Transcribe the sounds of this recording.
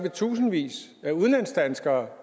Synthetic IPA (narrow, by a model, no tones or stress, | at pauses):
ʋit͡sʰṵːsn̩ʋḭːsæuð̞ˠnlæn̰sd̥ænsɡ̥ɐː